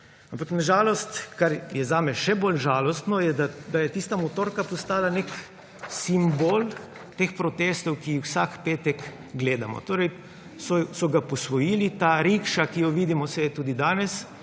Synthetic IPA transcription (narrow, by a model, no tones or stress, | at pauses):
ampaknaʒaːlɔst̪kaɾjɛzaːmɛʃɛbolʒaːlɔst̪nɔjɛd̪ad̪ajɛt̪iːst̪amɔt̪oːɾkapɔst̪aːlanek | simboːl | t̪eːxpɾɔt̪eːst̪ɔwkixwsakpeːt̪ɛk | ɡleːd̪amɔ̰t̪oːɾɛj | sɔsɔɡapɔsʋɔjiːlit̪aːɾikʃakijɔʋiːd̪imɔsɛɛt̪uːd̪id̪aːnɛs